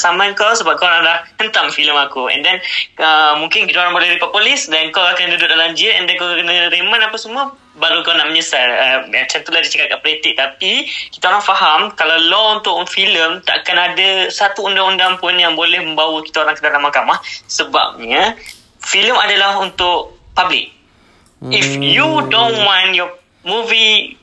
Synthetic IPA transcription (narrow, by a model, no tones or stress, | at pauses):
samãnkawsəbap̚kaoɾaŋlahhənt̪amfiləmakuɛ̰ndɛnəmũŋkɪnkit̪aoɾaŋbolɛhdipapulɪsdɛnkawakandudʊʔdalaɲd͡ʒɪtɛndɛnkakənəɾemə̃napasəmuə | baɾukanaʔmə̃ɲəsaləat͡ʃat̪ulahdit͡ʃakat̪̚kaʔpəlit̪ɪʔ̚t̪apikit̪aoɾaŋfaɦamkalawlɔunt̪ʊʔfiləmt̪aʔakanadasat̪uːndaŋundaŋpʊnjaŋbolɛhmə̃mbawəki̥t̪aoɾaŋkədalamːakamahsəba̰p̚ɲə | filəmadalahunt̪ʊʔpablɪ̰k̚ | ifjudõnwãnjɔ | muvi